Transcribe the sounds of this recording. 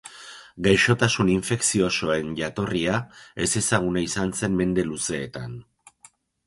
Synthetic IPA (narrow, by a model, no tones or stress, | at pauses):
ɡajʃo̞t̪asuniɱfe̞ksio̞so̞e̞nʝat̪o̞riae̞se̞saɣ̞unaisanse̞mme̞nd̪e̞luse̞ːt̪an